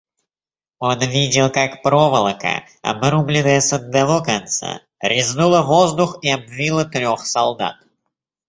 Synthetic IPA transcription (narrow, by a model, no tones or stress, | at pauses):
o̞nvʲidʲɪlˠkakpɾovəlˠəkə̰ | ɐ̰bɾublʲɪnəjəsəd̪ːavokɐnt̪sa̰ | ɾʲɪznulˠəvo̞zd̪ʊxiɐbvʲilˠət̪ɾʲo̞xsɐlˠd̪a̰t̪